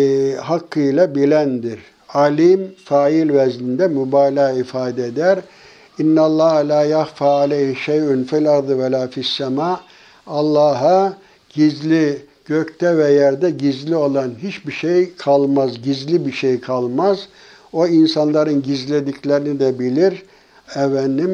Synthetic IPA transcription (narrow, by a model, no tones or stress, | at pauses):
ɦakʰːɯjlˠabilʲænd̪iɾ | alʲimfaːilʲvɛzlʲind̪ɛmubaːlʲaːifaːd̪ɛed̪æɾ | inːalˠːahalʲaːjahfalʲɛiʃejynfɛlʲaɾd̪ɯvɛlʲaːfisːamaː | alˠːaːɦa | ɟ̥izlʲi | ɟ̥øct̪ɛvɛjæɾd̪ɛɟizlʲio̞lˠanɦit͡ʃbiʃejkʰalˠmazɟizlʲibiʃejkʰalˠmaz | o̞insanlˠaɾɯnɟizlʲed̪iclʲeɾinid̪ɛbilʲiɾ | ɛvænːim